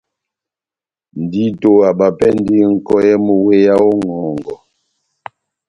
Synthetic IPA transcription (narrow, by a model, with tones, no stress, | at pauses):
n̩˨di˦to˦a˨ba˨pɛ˦n˦di˦ŋ̩˦kɔ˦jɛ˦mu˦we˦ja˦o˦ŋɔː˨ŋɡɔ˨